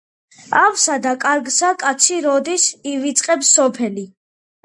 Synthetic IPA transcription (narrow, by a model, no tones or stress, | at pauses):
avsad̪akʼaɾɡsakʼat̪sʰiɾɔd̪isivit̪sʼqʼɛbsɔpʰɛli